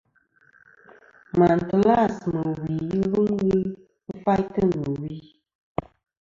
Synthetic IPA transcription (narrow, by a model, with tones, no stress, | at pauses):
ma˨n˨tɨ˨la˦˨smɨ˨wi˨ji˦lu˦ŋwi˦ | fa˦ltɨ˦nɨ˨wi˦